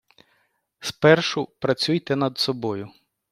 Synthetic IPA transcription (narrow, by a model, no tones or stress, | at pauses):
spɛrʃʊpɾɐt͡sʲujt̪ɛnɐd̪sɔbɔjʊ